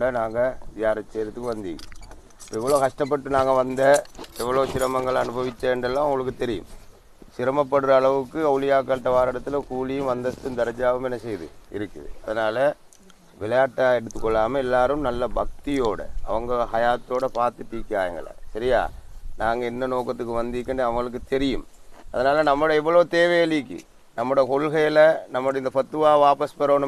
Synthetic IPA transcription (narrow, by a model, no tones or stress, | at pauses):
ɖɐnaːŋɡɐjaːɾɐt͡ʃːeːɾɐt̪ːɯkːɯʋɐnd̪ḭːŋ̰ | ɪ̥pːoɛʋːɐɭoːkɐʂʈɐp̬ːɐʈːɯnaːŋɡɐʋɐnd̪ɐɛʋːɐɭoːsɪɾɐmɐŋɡɐɭɐnɯbɐʋɪt͡ʃːɐɛnɖɐlːãːʋʊŋɡɐɭɯkːɯt̪ɛɾɪjɯ̰̃m | sɪɾɐmɐp̬ːɐɽɯɾɐːɭɐʋɯkːɯɐʋlɪjaːk̬ːaːʈːɐʋaːɾɐɽɐt̪ːɯlɐkuːlɪjɯmʋɐnd̪ɐst̪ːɯmd̪ɛɾɐd͡ʒaːʋɯmɛnːɐsɛjðɯ̰ɪ̰ɾɯkːɯ̰ðɯ̰ɐðɐnaːlɐ | ʋɪlɐjaːʈːaːɛɽɯt̪ːɯkːɔɭːaːmɐɛlːaːɾɯmnɐlːɐbɐk̚t̪ɪjoːɽɐ̰ɐ̰ʋɐŋɡɐɦɐjaːt̪ːoːɽɐpaːɾt̪ɯʈːiːkːaːjɐŋɡɐ̰ɭɐ̰sɐɾɪja̰ːnaːŋɡɐɛnːɐnoːkːɐt̪ːɯkːɯʋɐnd̪ɪkːɐɳɯɐʋɐŋɡɐɭɯkːɯt̪ɛɾɪjɯmɐðɐnaːlɐnɐmːɯɽɐɛʋːɐɭoːt̪eːʋɐjɐlikːɯ̰ | nɐmːɯɽɐkɔɭɣɐjɪlɐnɐmːɯɽɐɪnd̪ɐpɐt̪ːɯʋaːʋaːpɐspɐɾoːnɯ